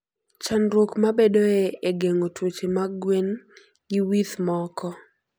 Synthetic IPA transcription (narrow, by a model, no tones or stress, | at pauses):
t͡ʃanɾokmabedoeeɡeŋotwot͡ʃemaɡwen | ɡiwit̪mɔkɔ